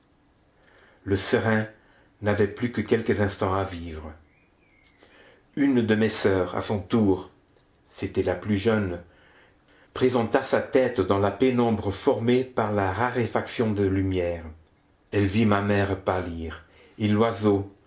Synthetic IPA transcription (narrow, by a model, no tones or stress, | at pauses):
ləsəʁɛ̃ | navɛplykəkʲɛlkəzɛ̃st̪ɑ̃aviːvʁə | ynd̪əmesœːʁa̰sɔ̃t̪uːʁ | set̪ɛlaplyʒœn | pχezɑ̃t̪asat̪ɛt̪d̪ɑ̃lapenɔ̃bʁəfɔʁmepaʁlaʁaʁefaksjɔ̃d̪əlymjɛːʁ | ɛlvimamɛʁpaliːʁ | elwazo